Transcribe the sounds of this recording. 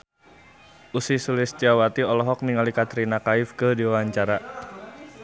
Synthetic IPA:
ʔusisulɪst͡ʃawat̪iɔlɔɦɔk̚niŋalikat̪ɾinakaɪfkədiwawaɲt͡ʃaɾa

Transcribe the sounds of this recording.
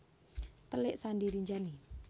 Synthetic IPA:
t̪əlɪʔsandiɾiɲd͡ʒani

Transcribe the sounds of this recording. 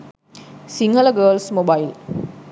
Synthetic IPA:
siŋələɡəːlsmobail

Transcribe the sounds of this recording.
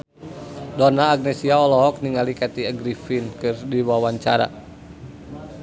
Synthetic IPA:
dɔnaːɡ̚nɛsiaɔlɔɦɔk̚niŋalikat̪iəɡɾifinkɨrdiwawaɲt͡ʃaɾa̰

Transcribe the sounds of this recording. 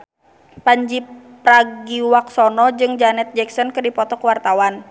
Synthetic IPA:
paɲd͡ʒi | pɾaɡiwak̚sɔnɔd͡ʒɨŋd͡ʒanɛt̪̚d͡ʒɛksɔnkɨrdipɔt̪ɔkəwart̪awan

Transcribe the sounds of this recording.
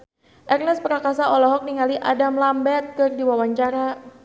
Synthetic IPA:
ʔɛrnɛspəɾakasaɔlɔɦɔk̚niŋaliʔadamlambɛt̪̚kɨrdiwawaɲt͡ʃaɾa

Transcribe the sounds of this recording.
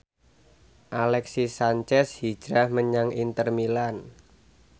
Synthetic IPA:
ʔalɛksisaɲt͡ʃɛshi̥d͡ʒ̥ɾahməɲaŋʔint̪ərmilan

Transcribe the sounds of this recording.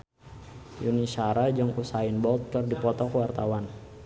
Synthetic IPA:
junisaɾad͡ʒɔŋusainbɔlt̪̚kɨrdipɔt̪ɔkwart̪awan

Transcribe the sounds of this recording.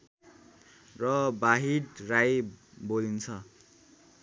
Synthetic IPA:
rʌbaɦiɽrajbolint͡sʰʌ

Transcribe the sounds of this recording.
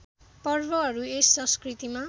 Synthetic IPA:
pʌrbʌɦʌɾuesːʌ̃skrit̪ima

